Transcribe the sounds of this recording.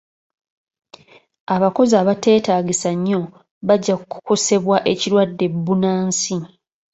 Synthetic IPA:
aβako̞zaːβate̞ːtaːɟisaɲːo̞ | βaɟːakkːuko̞se̞βwaʔe̞ciɾwadːe̞bːunaːnsi

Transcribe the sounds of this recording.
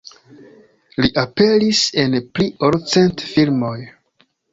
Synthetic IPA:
liʔape̞lise̞npliʔoɾt͡se̞ntfilmo̞j

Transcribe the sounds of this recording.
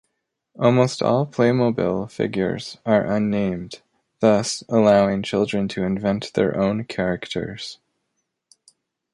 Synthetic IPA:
ʔɔlˠmoʊstʰɔ̰lˠpʰl̥eɪmoʊbḭlˠfɪ̰ɡjə̰˞z̥ə˞ʔʌ̃nːẽɪ̃m | ðʌsəlaʊɪ̃ŋt͡ʃʰɪlˠdɹɨ̃ntʰɨɨ̃ɱvɛ̃nt̪ðə̰˞ʔõʊ̃nkʰɛɹɨktʰə̰˞z̥

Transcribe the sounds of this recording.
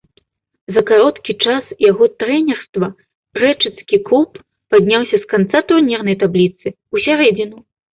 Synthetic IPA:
zɐkaɾɔt̪kʲit͡ʂasjaɣɔt̪ɾɛnʲɛrst̪vɐ | rɛt͡ʂɨt̪skʲiklupː | ad̪ʲnʲawsʲɐskant̪sat̪urnʲɛrnɐjt̪ablʲit̪sɨ | usʲaɾɛd͡zʲinu

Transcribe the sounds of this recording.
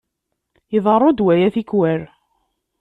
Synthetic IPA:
iðˤərˤːod̪wæjæθikwæɾ

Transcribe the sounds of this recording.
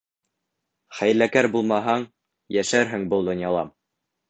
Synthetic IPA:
χæjlækæɾbulˠmɑɦɑɴ | jæʃæɾɦɘŋbɤlˠd̪ŏnjɑlˠɑm

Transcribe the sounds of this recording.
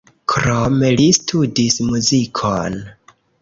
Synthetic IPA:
kʰɾomelistʰudismuzikʰon

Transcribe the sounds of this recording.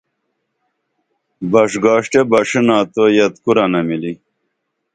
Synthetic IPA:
bɐʂɡɑːʂʈebɐʂinaːt̪ojɐt̪kuɾɐnɐmili

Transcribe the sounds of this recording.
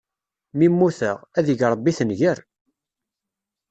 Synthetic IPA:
mimːuθəʁæðəʝɾˤəbːiθənʝəɾ

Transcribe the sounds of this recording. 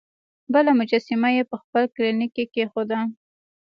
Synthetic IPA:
bəlamʊd͡ʒasɪmajepəxpəlklinikikexod̪a

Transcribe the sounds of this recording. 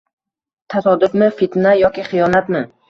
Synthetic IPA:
t̪ʰasɒd̪ʊfmɪfet̪najɒkʲɪχɨjɒnat̪mɪ

